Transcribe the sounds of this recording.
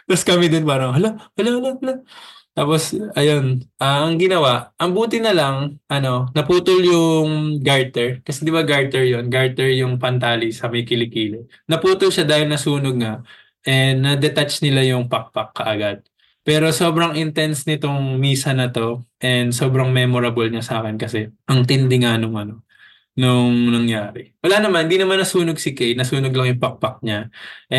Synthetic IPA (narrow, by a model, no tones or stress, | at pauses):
mɐskɐmid̪onpaːɾɐŋhɐlohɐlohɐlohɐlot̪aːpo̞sɐjo̞nʔɐŋɡɪnɐwaʔʔɐŋbuːt̪ɪnɐlɐŋʔɐno̞nɐpuːt̪ʊljʊŋɡaɹt̪ɛɹkɐsɛd̪ɪbaɡaɹt̪ɛɹjo̞nɡaɹt̪ɛɹjʊŋpɐnt̪aːlisɐmɐjkɪlɪkiːlɪ | nɐpuːt̪ʊlʃad̪aːhɪlnɐsuːnoɡ̚nɐ | ʔɛnɐd̪ɛt̪at͡ʃnɪlajʊŋpɐk̚pɐkːɐʔɐɡad̪̚ | pɛːɾo̞so̞ːbɾɐŋʔɪnt̪ɛnsnɪt̪o̞ŋmiːsɐnɐt̪o̞ʔɛnd̪so̞ːbɾɐŋmɛːmoɾɐbolɲɐsaːkɛnkɐsɛʔɐŋt̪ɪnd̪ɪŋɐnoŋʔɐno̞ | noŋnɐŋjaːɾɛwɐlaːnɐmanhɪnd̪inɐmanːɐsuːnoɡ̚sɪkejnɐsuːnoɡlɐŋjʊŋpɐk̚pɐk̚ɲaʔɛ